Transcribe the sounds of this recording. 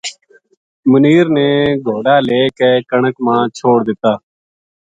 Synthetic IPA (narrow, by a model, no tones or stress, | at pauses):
məniːɾneːɡʱoːɽaːleːkeːkəɳəkmãːt͡ʃʰoːɽd̪ɪt̪ːaː